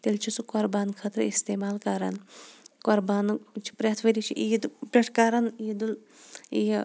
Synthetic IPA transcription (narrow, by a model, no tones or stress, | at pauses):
t̪elt͡ʃʰisukoɾbaːnkʰɐt̪ɾist̪eːmaːlkaɾa̰nkoɾbaːnt͡ʃʰi̥pɾʲɐt̪ʰʋɐɾit͡ʃʰiʔijd̪pʲeʈʰkaɾɐnijd̪ul | j